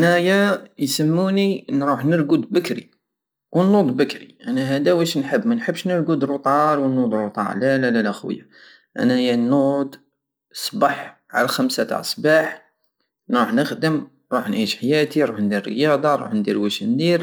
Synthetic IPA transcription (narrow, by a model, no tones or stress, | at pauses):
ʔnæjæjsəmːuninɾuħnəɾɡud̪bəkɾḭ | wənːud̪ˤbəkɾiʔænæɦæd̪æwæʃnħəbːmænħəbːʃnəɾɡud̪ɾut̪ˤɑɾˤwənːud̪ɾut̪ˤɑ̰ɾlælælælʔəxwə̰ja̰ | ʔæ̰næjænud̪ | sˤbɑħ | ʕa̰læxæmsat̪a̰ʕsˤbɑħ | nɾuħnəxd̪əm | ɾˤuħnʕiʃħajæt̪iɾˤuħnd̪iɾːə̰jɑd̪ˤɑɾˤṵħnd̪ḭɾwəʃnd̪iɾ